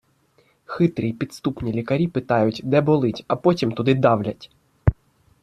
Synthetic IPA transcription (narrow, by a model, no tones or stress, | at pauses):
xɪt̪ɾʲijpʲid̪st̪upnʲilʲikɐɾʲipɪt̪ɑjʊtʲd̪ɛbɔlˠɪtʲɐpɔtʲimt̪ʊd̪ɪd̪ɑwlʲɐtʲ